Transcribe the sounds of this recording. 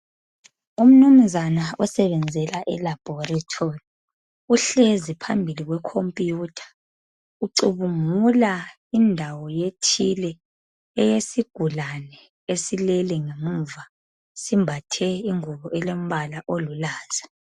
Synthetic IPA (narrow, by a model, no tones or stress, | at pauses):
um̩num̩zanaɔsɛβɛnd͡zʱɛlaʔɛlab̥ʱɔritʰori | uɬezipʰambʱiliɣwɛkʰompʼijutʰḁ | uǀuβumula | indʱawɔjetʰilɛ | ɛjesiɡ̥ʱulanɛ | esilɛlɛŋemuva | simbʱatʰɛiŋuβɔʔɛlom̩βalaʔolulaːz̥a